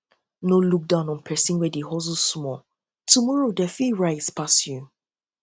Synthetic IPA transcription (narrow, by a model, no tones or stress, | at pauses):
noluk̚dãʊ̃nɔ̃npʰɛsĩnwɛdeɦɔzusmɔ | tumɔɹodɛfiɹaɪspasju